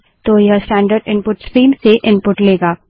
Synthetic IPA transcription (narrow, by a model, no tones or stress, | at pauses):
t̪oːjɐsʈɛ̃ːɳɖəɾɖɪ̃npʊʈskɾiːmseʔɪ̃npʊʈleːɡaː